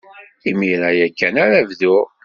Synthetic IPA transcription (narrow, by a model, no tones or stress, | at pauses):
imiɾajækːænaɾævðʊɾ